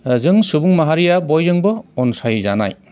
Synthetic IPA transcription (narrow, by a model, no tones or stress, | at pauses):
zɯŋsubuŋmaɦaɾijabɔjzɯŋbɯɔnsajza̰na̰j